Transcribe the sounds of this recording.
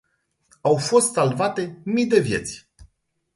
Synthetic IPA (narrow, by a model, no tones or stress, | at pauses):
awfo̞st̪salvat̪e̞mijd̪e̞vʲje̞̰t̪sʲ